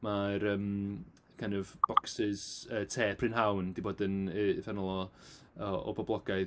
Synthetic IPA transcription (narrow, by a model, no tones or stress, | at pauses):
maɾəːm | kʰanɔvb̥ɔksɪz̥əːtʰeːpʰrɪnɦawnd̥iboːdənəvɛnɔlˠɔ | ɔɔ̰bɔblˠɔɡaj